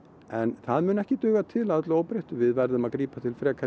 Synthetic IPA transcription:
ɛnθaðmʏːnɛhcɪt̪ʏːɣat̪ʰɪlaðt̪lʏoːwpɾejht̪ʏvɪðvɛɾðʏmaðkɾiːpat̪ʰɪlfɾɛːkʰa

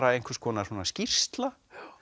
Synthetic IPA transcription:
ɾaejŋ̥kʰvɛ̥skʰɔːnasɔːnascir̥st̪la

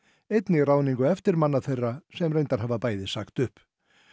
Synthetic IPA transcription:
ejt̪nɪraːwniŋkʏɛft̪ɪɾmanːaθejrːasɛmrejnt̪aɾ̥haːvapaːjðɪsaxt̪ʏhp

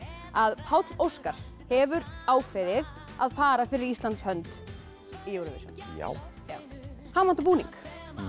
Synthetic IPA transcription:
aðpʰawt̪lowskaɾ̥ | hɛvʏɾaːwfɪðɪð | aðfaːɾafɪɾɪɾist̪ant̪shœnt̪ | ijowɾʏvḛsa̰na̰jaːw | haːmant̪apuːnḭŋk

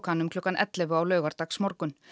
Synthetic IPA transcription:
kanʏmkʰlʏkːanʔɛ̰t̪lɛvʏawlœːɥɣaɾt̪aksmɔɾkʏn

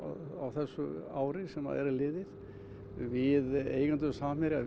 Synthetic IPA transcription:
awθɛsːʏ̰aːwɾɪsɛma̰ðɛ̰ɾalɪːðɪð | vɪðḛːjkant̪ʏsaːmɪɾɪa

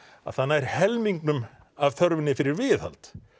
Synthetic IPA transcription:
a̰ðθanːaɛɾ̥hɛlmiŋknʏm | avθœɾvɪnɪfɪɾɪɾvɪːθha̰lt̪

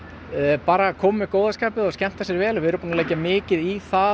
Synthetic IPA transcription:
paːɾakʰɔːmɪkoːwðaskaːpɪðɔscɛm̥t̪asjɛɾvɛːlvɪɾmpunaleːjcːamɪːcɪðiθa

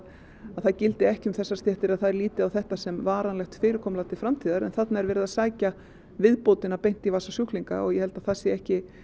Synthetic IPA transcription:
aðθaðcɪlt̪ɪɛhcʏmθɛsːast̪jɛht̪ɪɾaðθaðɛɾliːt̪ɪawθɛht̪asɛmvaːɾanlɛxt̪fɪːɾɪkʰɔmlat̪ɪlfɾamt̪ʰiːðaɾɛ̰nθat̪naɛɾvɛːɾɪðaðsaːjca | vɪðpowt̪ɪnapejn̥t̪ivasasjuhkliŋka̰ɔɣjɛhɛlt̪aðθasjɛɛhcɪ

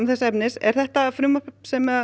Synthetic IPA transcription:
mθɛsːaɛpnɪsɛ̰ɾ̥θɛht̪afɾʏmapɛpsɛma

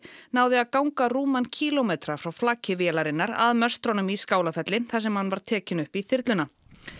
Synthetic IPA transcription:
naːwðɪaðkawŋkaruːmancʰiːlomɛt̪ɾafɾawflaːcʰɪvjɛlaɾɪnːaɾa̰ðmœ̥st̪ɾɔwnʏmiskaːwlafɛt̪lɪθas̬ɛmhanːvaɾ̥t̪ʰɛːcɪnʏhpiθɪɾt̪lʏna

